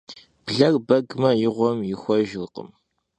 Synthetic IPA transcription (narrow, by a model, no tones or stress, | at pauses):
b̥ɮɐrbɐɡmɐjɪʁʷɔmjɪxʷɔʒlqə̰m